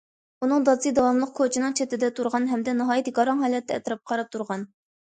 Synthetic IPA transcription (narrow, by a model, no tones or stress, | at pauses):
unɨŋd̪ɑsɨd̪ɑwɑmlˠəqkʰot͡ʃʰinɨŋt͡ʃʰɛt̪ɪd̪ɛt̪ʰuɾʁɑnɦɛmd̪ɛnɨɦɑːjɛt̪ɡɑɾɑŋɦɛːlɛt̪ʰːɛɛ̰t̪ɨɾɑp̚qʰɑɾɑp̚t̪ʰuɾʁɑn